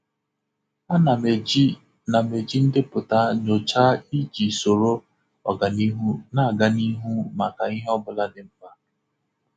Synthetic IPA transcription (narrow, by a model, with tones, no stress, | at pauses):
a˦na˨me˨i˦ | na˨me˨d͡ʒi˦n̩˦dɪ˦pʊ˨ta˦no˨t͡ʃa˦i˦d͡ʒi˨so˨ɾo˦ | ɔ̰˨ɡa˨ni˦ɦu˦na˦˨ɡa˨ni˦ɦu˦ma˨ka˨i˦ɦe˦ɔ˦bʊ˦la˦dɪ˨m̩˦pa˦